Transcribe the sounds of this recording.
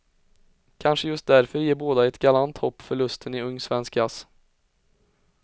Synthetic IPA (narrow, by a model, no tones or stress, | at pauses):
kʰanʂəjɵst̪̚d̪æɾfœɾjeːɾboːd̪aɛt̪ɡalant̪hɔpːfœɭɵst̪ʰənɪɵŋːsvɛnskɡas